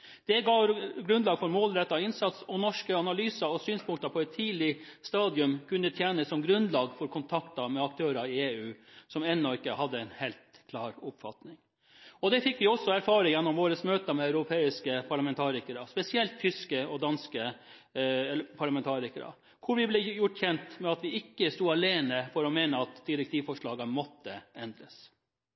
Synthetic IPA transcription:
d̪̥ɛɡɑːɡɾʉnd̪lɑːɡfɔɾmoːlɾɛt̪ːɑɪnsɑt̪sɔnɔʂkəɑnɑlyːsɑɔsyːnspʰʊŋkt̪ɑpʰɔɛt̪ʰːiːlɪst̪ɑːd̪jʉmkʰʉnd̪ət̪ʰjæːnəssɔmɡɾʉnd̪lɑːɡfɔɾkʰʊnt̪ʰɑkt̪ɑmɛɑkt̪ʰøːɾɑɪeːʉːsɔmɛnːɔɪkːəhɑd̪ːəɛɪnhelt̪kʰlɑːɾʊpfɑt̪nɪŋ | ɔd̪ɛfɪkːʋɪɔsːɔæɾfɑːɾɪŋjɛnːɔmʋoːɾəsmøːt̪əmɛœʉɾʊpʰeːɪskəpʰɑɭɑmɛnt̪ʰɑːɾɪkəɾɑspɛsɪɛlt̪ʰːʏskəɔd̪ɑnskə | ɛpʰɑɭɑmɛnt̪ʰɑːɾɪkəɾɑ̰ | kʰʊɾʋɪblɛjʊʈçɛnt̪mɛɑt̪ʋɪɪkːəst̪uːɑleːnəfɔɾɔmeːnəɑt̪d̪ɪɾɛk̚t̪ʰiːʋfɔʂɭɑːɡəmɔt̪ːəɛnd̪ɾəs

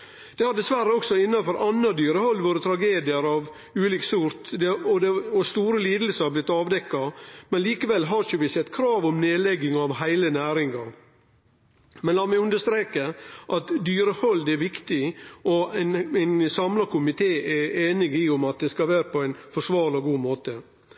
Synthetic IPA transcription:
d̪̥ɛhɑɾd̪ɛsʋæɾːəɔksɔɪnːɑfɔɾʔɑnːɑd̪yːɾəhɔlːʋoɾət̪ʰɾɑɡeːd̪ɪəɾɑʋ | ʉːliːksʊɾt̪d̪ɛɔd̪ɛɔst̪uːɾəliːd̪əl̩səɑɾblɪt̪ːɑːʋd̪ɛkːɑmɛnliːkəʋɛlːɦɑɾçəʋɪsɛt̪ːkʰɾɑːʋɔmneːlɛɡːɪŋɑʋhæɪlənæːɾɪŋɑɾ | mɛnlɑːmɛʉnd̪əst̪ɾeːkəʔɑt̪d̪yːɾəhɔld̪ɛæɾʋɪkt̪ɪʔɔnɛnsɑmlɑkʊmɪt̪ʰeːʔɛeːnɪɡɪʊmɑt̪̚d̪ɛskɑʋæːɾəpʰɔæɪnfɔʂʋɑːɾlɔɡuːmoːt̪ə

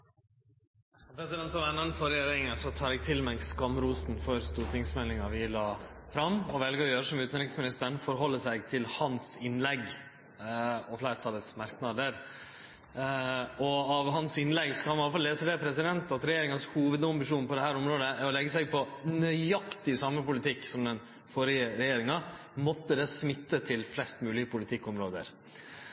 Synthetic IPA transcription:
pʰɾɛsɪd̪ɛnt̪pʰɔʋɛnːənfɔɾɛjeːɾɪɾɪŋɑsɔt̪ʰɑːɾɛɡ̚t̪ʰɪlmɛɡskɑmːɾuːsnfɔɾst̪uːɾʈʰɪŋsmɛlɪŋɑʋɪlɑːfɾɑmːɔʋɛlɡəɾɔjøːɾəsɔmʉːt̪nɾɪksmɪnɪst̪əɳfɔɾɦɔlːəsæɪɡt̪ʰɪlhɑnsɪnlɛɡ | ɔflæːɾt̪ʰɑːlət̪smɑɾknɑd̪əɾ | ɔɑʋɦɑnsɪnlɛɡsɔ̥kɑnɑləfɑlːeːsəd̪ɛpʰɾɛsɪd̪ɛnt̪ɑt̪ɾɛjeːɾɪŋɑnshuːʋəd̪ɑmbɪʂuːnpʰɔd̪ɛhæːɾɔmɾoːd̪əæɾɔlɛɡːəsæɡ̚pʰɔnœʏɑkt̪ɪsɑmːəpʊlɪt̪ʰɪkːsɔmd̪ɛn | fɔɾɪəɾɛjeːɾɪŋɑ | mɔt̪ːəd̪ɛːsmɪt̪ːət̪ʰɪlflɛst̪mʉːlɪəpʰʊlɪt̪ʰɪkːɔmɾoːd̪ə̰ɾ

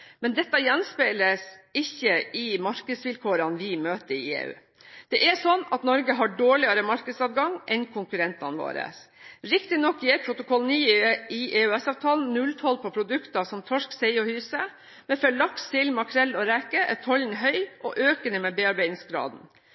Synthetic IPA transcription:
mɛnd̪ɛt̪ːəjɛnspæɪləsɪçəɪmɑɾkəd̪sʋɪlkʰoːɾɑnʋɪmøːt̪əɾɪḛːʉ̰ː | d̪̥ɛʔɛsɔnːɑt̪nɔɾɡəɦɑɖoːɭɪɑɾəmɑɾkəd̪sɑʋɡɑŋʔɛnkʰʊŋkʉɾɛnt̪ɑ̰nʋo̰ːɾə̰s | ɾɪkt̪ɪnɔkːjɛːɾpʰɾʊt̪ʊkʰɔlniːʔɪʔeːʉɛsɑːʋt̪ʰɑːln̩nʉlt̪ʰɔlpʰɔpʰɾʊd̪ʉkt̪ɑsɔmt̪ʰɔʂksɛɪɔhyːsə | mɛfœɭɑkst̪ɪlmɑkʰɾɛlːɔɾækəʔɛt̪ʰɔlnɦœʏʔɔʔøːkənəmɛbeːɑɾbæɪnɪŋsɡɾɑ̰ːd̪n̩

